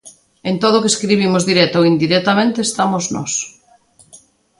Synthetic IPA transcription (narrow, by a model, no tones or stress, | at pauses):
ent̪oð̞ʊokeskɾiβ̞imʊzðiɾɛt̪oind̪iɾɛt̪amẽnt̪eːst̪amoznɔ̰s